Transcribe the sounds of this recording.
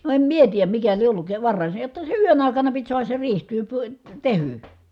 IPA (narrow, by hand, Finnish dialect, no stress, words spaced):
no em mie tiːjæm mikæ lie ʔolːuk ʋɑrːɑˑi se jotːɑ se yøn ɑˑi̯kɑnɑ pit suɑhɑs se riːh ty py tehyˑ